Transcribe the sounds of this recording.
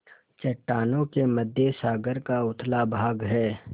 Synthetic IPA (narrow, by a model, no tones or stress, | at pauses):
t͡ʃɐʈːaːnõkeməd̪ʱjesaːɡəɾkaʊt̪ʰlabʱaːɡɦɛː